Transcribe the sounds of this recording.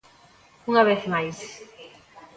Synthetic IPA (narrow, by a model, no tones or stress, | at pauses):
uŋɐβeθmajs